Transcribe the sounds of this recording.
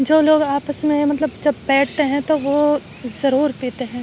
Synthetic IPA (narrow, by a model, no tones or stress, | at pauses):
d͡ʒoːloːɡaːpəsmẽmɐt̪ləbd͡ʒɐbːɛːʈʰt̪eɦɛ̃t̪oʋo | zɐɾuːɾpeːt̪eɦɛ̃ː